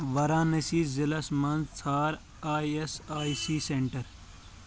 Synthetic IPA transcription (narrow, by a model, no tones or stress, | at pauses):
ʋɐɾãːnɐsiːzɐlɐsmɐnzt͡sʰaːɾ | aːjesaːisiːseɳʈɐɾ